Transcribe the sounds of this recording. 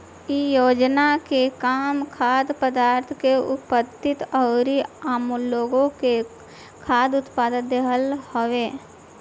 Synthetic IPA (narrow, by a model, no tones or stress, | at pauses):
ijoːd͡ʒnakekaːmkʰaːd̪pəd̪aːɾt̪ʰkeʊ̰pəd̪ɪt̪ɔːɾiaːmulːoːɡõke | kʰaːd̪ʊt̪paːd̪əd̪eɦəlhoeː